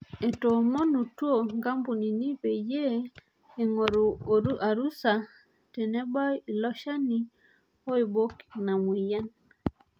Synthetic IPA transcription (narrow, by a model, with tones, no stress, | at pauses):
e˨to˨mo˦nu˨two˦˨ŋɡa˦mbu˨ni˨ni˦pe˨je˦ | e˨ŋo˨ɾu˨˦a˨ɾu˦sa˨ | tɛ˨nɛ˦ba˦˨lɔ˦ʃa˦ni˦ | ɔ˦i˨bo˦kna˨mwi˨ja˦n